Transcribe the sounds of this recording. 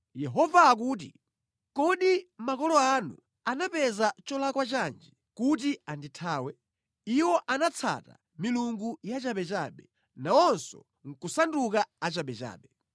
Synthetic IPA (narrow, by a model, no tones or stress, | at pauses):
jɛɦɔvaːk̬uːt̬i | kɔɗimakɔlɔanṵ | anapɛzat͡ʃɔlakwat͡ʃand͡ʒi | kut̬ianditʰaːwɛ | iwɔʔanat͡sʰa̰ta̰ | miluŋɡujat͡ʃaɓɛt͡ʃa̰ːɓɛ | naɔnsɔ̰ | ŋ̩kusandukaat͡ʃaɓɛt͡ʃa̰ːɓɛ